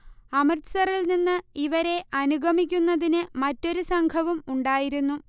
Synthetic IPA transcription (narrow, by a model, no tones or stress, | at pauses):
ɐmɐrt̪sɐrilninːɨiʋɐɾe̞ʔɐnuɡʱɐmikʲːunːɐðinɨmɐtːo̞ɾusɐŋɡʰʱɐʋumuɳɖaːjiɾunːu